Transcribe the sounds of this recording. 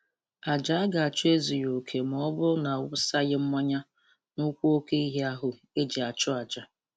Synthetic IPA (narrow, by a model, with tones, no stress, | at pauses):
a˨d͡ʒa˨a˦ɡa˨a˨t͡ʃʊ˦e˦zi˨jo˨kʰe˨m̩˨ɔ˦bʊ˦na˨wʊ˦sa˦ɣɪ˦m̩˦mɔ˦ɲa˦ | nʊ˦kʷo˦o˦ke˦i˦ɦe˦a˦ɦʊ˨ | e˦d͡ʒi˨a˨t͡ʃʊ˦a˨d͡ʒa˨